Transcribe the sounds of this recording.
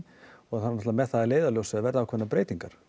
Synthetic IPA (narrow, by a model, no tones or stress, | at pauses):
ɔɣθanːnɔt̪lavamɛðθaðɛleːjðaljowsɛavɛɾðawkʰvɛnːapɾeːjt̪iŋkaɾ̥